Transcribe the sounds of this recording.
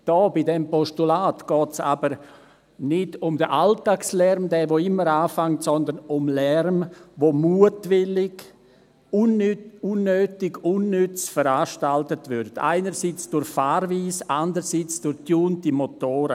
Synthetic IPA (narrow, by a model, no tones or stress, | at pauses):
d̥ɔːbidɛmpɔʃtulaːtɡ̥ɔːtsa̰bəɾ | nɪdʊmdəʔaltaːkslɛrmdɛːʋoɪmːəɾaːfaŋtsɔndənʊmlɛrmʋomuətʋɪlɪɡ | ununːøːtɪɡunːʏt͡sfəɾaːʃtaltətvʏɾtʰa̰ɪnəɾsiːt͡sd̥ʊɾçfaːɾviːsandəɾsiːt͡sd̥ʊɾtjuːntimotoːɾə